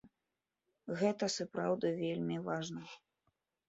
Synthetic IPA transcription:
ɣɛt̪ɐsapɾawd̪ɨvʲelʲmʲivaʐnɐ

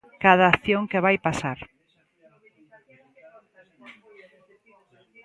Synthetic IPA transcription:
kaðaːθjoŋkeβajpasaɾ

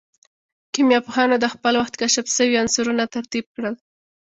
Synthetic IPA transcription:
kimjɑpoxɑnod̪əxpəlwaxt̪kaʃabsəwiansuɾunat̪aɾt̪ib̚kɽəl

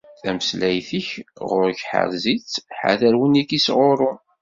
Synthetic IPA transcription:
θæməslæjθiçʁʊɾçħə̰ɾzit͡sːħa̰ðəɾwənikisʁoɾˤʊ

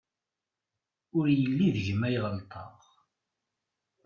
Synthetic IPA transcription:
ʊɾjəlːiðʝəmæjʁəlt̪ˤʰɑ̰ʁ

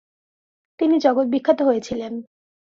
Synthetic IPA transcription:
t̪inid͡ʑɔɡot̪̚bikʰːat̪oɦojet͡ɕʰilen

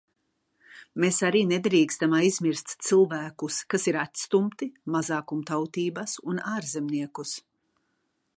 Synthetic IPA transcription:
meːsaɾiːned̪ɾiːkst̪amaːizmiɾst̪t̪silˠvæːkuskasiɾat̪ʲst̪umt̪imazaːkumt̪awt̪iːbasunaːɾzɛmniɛkus

